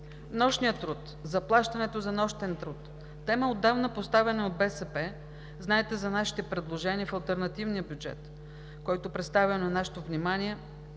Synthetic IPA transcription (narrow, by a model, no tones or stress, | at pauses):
nɔʃnijət̪ɾut̪ | zɐplˠaʃt̪ɐnɛt̪ozɐnɔʃt̪ɛnt̪ɾut̪ː | ɛməod̪ːavnəpost̪avɛnɛod̪̚bɛsɛpɛ | znaɛt̪ɛzɐnaʃi̥t̪ɛpɾɛd̪lˠoʒɛniəfɐlˠt̪ɛɾnɐt̪ivnijəbʲjud͡ʒɛ̰t̪ | kɔjt̪opɾɛt̪st̪avʲɛnnaʃɛ̥t̪ovnimaniɛ